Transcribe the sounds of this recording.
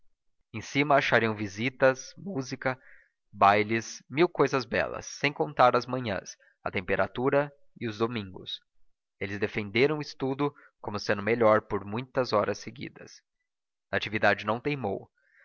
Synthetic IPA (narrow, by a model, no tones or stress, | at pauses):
ẽsĩmɐaʃaɾiɐ̃w̃vizit̪ɐsmuzikɐ | bajlɪsmiwkojzɐzbɛ̰lɐ̰sːẽj̃kõnt̪aɾɐzmɐ̃ɲɐ̰̃s | ɐt̪ẽmpeɾa̰t̪uɾɐ | ɪʊzd̪omĩŋɡʊ̰s | elɪzd̪efẽnd̪eɾɐ̃w̃ist̪ud̪ʊkõmʊsẽnd̪ʊmeʎɔɾpoɾmũj̃t̪ɐzɔɾɐseɡḭd̪ɐ̰s | ɐat͡ʃivid̪ad͡ʒɪnɐ̃w̃t̪ejmo̰w